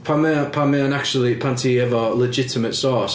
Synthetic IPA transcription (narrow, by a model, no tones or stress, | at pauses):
pʰamɛpʰamɛə̃nak̚t͡ʃul̩ˠipʰãntʰiɛvəlɛd͡ʒɪtʰɪmətsɔːˑs